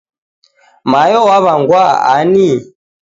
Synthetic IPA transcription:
majɔwaβaŋɡwaa̰ni

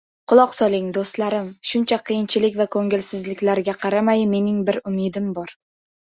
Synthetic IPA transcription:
qʊlˠɒqsɒlˠɪŋd̪ost̪laɾɪmʃʊnt͡ʃʰaqʰɨjɪnt͡ʃʰɪlɪkʲvakʰoŋɪlsɪzlɪkʲlaɾɡʲaqʰɑɾamajme̞nɪŋbɪɾʊmɪd̪ɪmbɒɾ

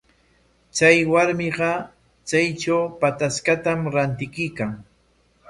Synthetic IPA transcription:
t͡sajwaɾmɪɢɑ | t͡sajt͡ʃawpat̪askat̪amɾant̪ɪkʊjkaŋ

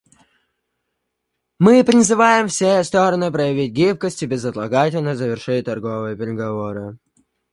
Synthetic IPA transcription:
mɨpɾʲɪzɨvajɪmfsʲest̪oɾənɨpɾəjɪvʲitʲɡʲip̚kəsʲtʲɪbʲɪzɐt̪lˠɐɡatʲɪlʲnəzəvʲɪrʂɨt̪ɐrɡovɨjəpʲɪɾʲɪɡɐvoɾɨ

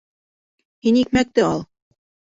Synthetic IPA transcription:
hinik̚mæk̚t̪ɘɑlˠ

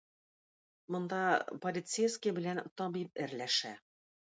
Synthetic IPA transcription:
mŏnd̪ɑpolʲit̪sejskʲijbɘ̆lænt̪ɒbip̚ɘ̆ɾlæʃæ

